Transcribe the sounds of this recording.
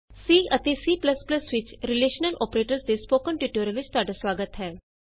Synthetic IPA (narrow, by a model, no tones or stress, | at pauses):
siːɐt̪esiːpləspləsʋɪt͡ʃɾɪleːʃənəlʔɔːpɾeːʈəɾsd̪espoːkənʈjuʈoːɾəʋɪt͡ʃt̪aːɖasʋaːɡət̪ɦɛː